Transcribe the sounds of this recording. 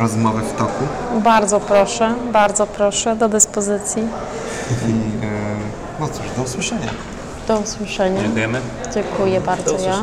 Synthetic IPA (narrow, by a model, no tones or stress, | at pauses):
ɾɔzmɔvɘft̪ɔku | baɾd̪zɔpɾɔʂɛbaɾd̪zɔpɾɔʂɛd̪ɔd̪ɘspɔzɘt̪sʲji | i | nɔt̪suʐd̪ɔuswɘʂɛɲa̰ | d̪̥ɔuswɘʂɛɲat̪jɛmɘ | d͡ʑɛŋkujɛbaɾd̪zɔja